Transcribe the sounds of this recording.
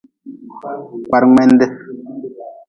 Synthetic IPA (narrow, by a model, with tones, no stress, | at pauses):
kwa˨ɾŋɛ˦nde˦